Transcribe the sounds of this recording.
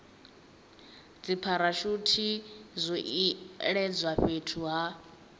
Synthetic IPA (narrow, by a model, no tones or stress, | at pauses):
d͡zipʰaɾaʃutʰizʷɔʔiɺɛd͡zʷwaɸetʰuɦa